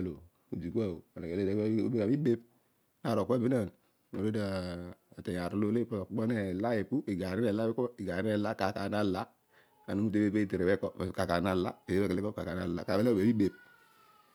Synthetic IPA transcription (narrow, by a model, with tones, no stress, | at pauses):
lo˨ | u˨d͡ʒi˨ku˦a˦˨o˨a˨na˨e˨le˦da˦ṵ˦bi˦ka˨bi˦be˦p̚ | n˦a˨ɾo˨kːbi˦na˦˨n | o̰˨e˦da˦˨a˨te˨ja˨ɾu˦lo˦le˦pu˦lo˨ko˦ne˨la˦i˨pu˦i˨ɡa˨ɾi˦e˨la˦i˦ko˦i˨ɡa˨ɾi˦ne˦˨la˦ka˨ka˨na˦la˦ | a˨nu˦mu˦t̬e˦be˦pe˦i˨te˨ɾe˨bɛ˦ko˨ka˨ka˨na˦la˦e˨e˦e˦kle˦ko˦ka˨ka˨na˦˨la̰˨ka˨be˦la˦˨e˨bi˦be˨p̚